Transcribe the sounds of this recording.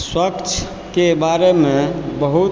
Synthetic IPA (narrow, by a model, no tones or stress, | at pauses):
swəkt͡ʃʰ | kebaɾemebəɦut̪